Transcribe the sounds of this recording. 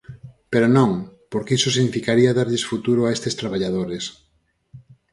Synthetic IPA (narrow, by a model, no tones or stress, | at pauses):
peɾonõŋpoɾkisosiɣnifikaɾiaðaɾʎesfut̪uɾʊaest̪est̪ɾaβ̞aʎað̞oɾes